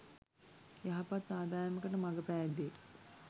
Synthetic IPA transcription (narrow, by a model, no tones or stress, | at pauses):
jaɦapat̪ːaːd̪aːɾəməkəʈəmaɡəpæːd̪e